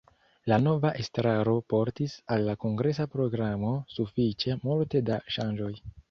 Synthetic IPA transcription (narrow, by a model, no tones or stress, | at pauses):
lano̞vaʔe̞stɾaɾo̞po̞ɾtisalːako̞ŋɡɾe̞s̬apɾo̞ɡɾamo̞sufit͡ʃe̞multe̞daʃand͡ʒo̞j